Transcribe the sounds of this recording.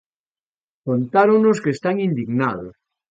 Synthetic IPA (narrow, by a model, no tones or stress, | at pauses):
kont̪aɾonoskest̪aŋind̪iɣnaðos